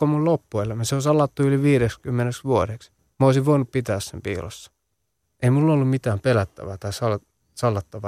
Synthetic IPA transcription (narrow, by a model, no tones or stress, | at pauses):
omullopːuelːmæseosɑlːɑt̪ːuyliʋiːɾekskymːeneksʋuoɾeks | moˑisiʋʋoinuppit̪æːssempḭːlo̰sːɑ̥ | ʔeimulːolːummit̪æːmpelæt̪ːæ̰ʋæːt̪ɑisɑl | sɑlːɑt̪ːɑʋɑ